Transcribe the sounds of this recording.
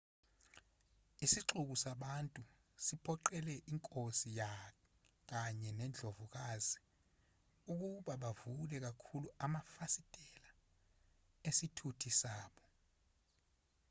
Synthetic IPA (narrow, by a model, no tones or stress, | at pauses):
isiǁuk̬usaɓantʼu | sipʰɔǃɛlɛʔiŋkʼosija | k̬aɲɛnɛnd͡ɮʱovuk̬azi | uk̬uɓaɓavulɛk̬akʰuluamafasid̥ʱʼɛla | esitʰutʰisaːɓɔ